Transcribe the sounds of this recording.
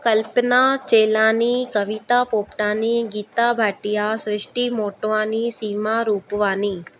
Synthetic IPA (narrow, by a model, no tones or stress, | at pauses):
kəlpnat͡ʃeːlaːnikəʋit̪apoːpʈãːniɡiːt̪abʱaːʈijasɾɪʃʈimoːʈʋaːnisiːmaɾuːpʋaːniː